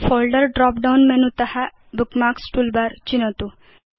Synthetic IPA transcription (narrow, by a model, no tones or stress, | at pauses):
fɔlɖəɾɖɾɔpɖawnmɛnũt̪əha | bukmaksʈulbaɾt͡ɕinət̪u